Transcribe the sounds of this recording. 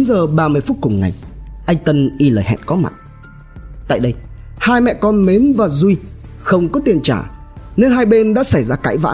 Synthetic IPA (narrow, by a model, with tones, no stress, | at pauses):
nzəː˨˩ɓaː˧mɨ˧əjfu˦˥t̚kʊ˨˩ŋ͡mŋa̰˨˩jʔa˧jŋ̟t̪ə˧nʔi˧ləː˨˩jɦɛ̰˧˨nkɔ˨˦ma̰˨˩t̚ | t̪a̰ː˧˨jɗə˧jhaː˧jmɛ̰˧˨kɔ˧nme˨˦nvaː˨˩zu˧jxə˧wŋ͡mkɔ˨˦t̪i˧ənt͡ɕaː˧˩ne˧nɦaː˧jɓe˧nɗa̰ː˧˥sa˧˩jzaː˧kaː˧˥˩jva̰ː˧˥